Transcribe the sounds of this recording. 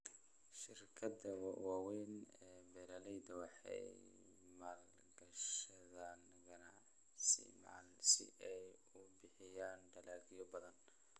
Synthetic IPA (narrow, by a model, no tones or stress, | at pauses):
ʃɪrkʰɐd̪ɐwwɑːwɛːnɛbɛːɾalɛjd̪ɐwɑħɛ̰ | maːl | ɡɐʃɐðɐn | ɡɐna | sɪ̰mːlsɪ̰ʔɛjʊbɪħɪjaːnɖɐlaːɡijɔbɐðɐn